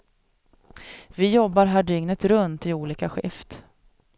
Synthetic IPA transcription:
vɪjɔbːaɾɦæːɖʏŋnət̪ɾɵnt̪ɪuːliːkaɧɪ̰ft̪

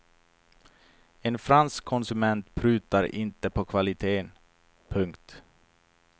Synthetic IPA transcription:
ɛnfɾanskʰːɔnsɵmɛnt̪pʰɾʉ̟ːt̪aɾɪ̰nt̪əpʰɔkʰvalɪt̪ʰeːn | pʰɵŋkt̪

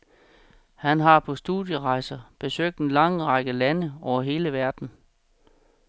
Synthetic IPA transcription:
hænɦɑ̈pʰɒ̽sd̥uðˠjəʁɑ̈ɪsɐb̥e̝søɡ̥̚d̥enlɑ̈ŋʁɑɡ̥əlænəɒʊ̰ɐɦe̝ːləʋæɐd̥n̩

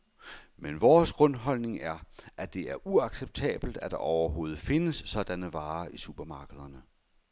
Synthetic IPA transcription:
menʋɒːsɡ̥ʁɔ̽nɦɒ̽l̰ne̝ŋæɐʔæd̥e̝æɐʔuɑ̈ɡ̥seb̥̚t͡sʰɛ̰ːb̥l̩d̥æd̥ɑ̈ʔɒʊɐɦo̝ːð̞̩ˠfe̝nəsːɒ̽d̥ænəʋɑ̈ːʔisub̥ʰɐmɑ̈ːɡ̥əð̞ˠɐnə

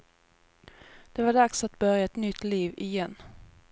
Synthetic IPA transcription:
d̪̥ɛvaɖaksat̪̚bœɾjaɛt̪nʏt̪ːliːvɪjɛnː

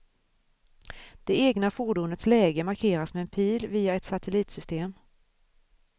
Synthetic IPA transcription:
d̪̥ɛeːɡnafuɖuːnət̪slɛːɡəmaɾkʰeːɾasmɛɛnpʰiːlviːaɛt̪sat̪ʰɛliːt̪sʏst̪eːm

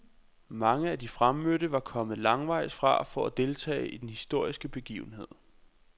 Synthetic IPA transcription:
mɑ̈ŋəæd̥ifʁamːøɾəʋɑ̈kʰɒ̽mð̩ˠlɑ̈ŋʋɑ̈ɪ̰sfʁɑ̈fɒæd̥e̝lt͡sʰɛ̰ːɪid̥enhisd̥o̝ɐ̰isɡ̥əb̥e̝ɡ̥ḭːʊn̩ɦe̝ð̰ˠ

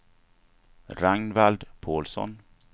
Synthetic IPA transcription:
ɾaŋnvald̪pʰoːlsɔ̰n

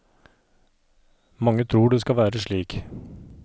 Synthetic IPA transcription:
mɑŋːət̪ʰɾuːɖeːskɑʋæːɾəʂɭiːk

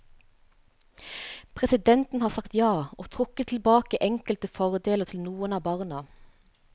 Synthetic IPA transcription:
pʰʁɛsɪd̪ɛnt̪n̩hɑːsɑkt̪jɑːʔoːt̪ʰʁʊkːət̪ʰl̩bɑːkəʔɛŋkəlt̪əfɔʁd̪eːləʁt̪ʰɪlnuːənɑːbɑːʁnɑ

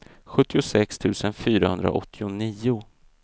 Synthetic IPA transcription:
ɧɵt̪ːɪʊsɛkst̪ʰʉ̟ːsənfyːɾahɵnd̪ɾa̰ʔɔ̰t̪ʰːɪʊniːʊ

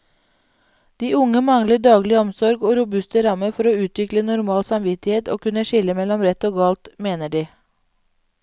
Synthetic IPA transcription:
d̪̥iːʊŋəmɑŋləɖɑːɡlɪɔmsɔɾɡoːɾʊbʉst̪əɾɑməfɔɾoːʉːt̪ʋɪklənʊɾmɑːlsɑmʋɪt̪ɪheːt̪o̰ːkʉnəʃɪləmɛlɔmɾɛt̪oːɡɑːlt̪meːnəɖiː

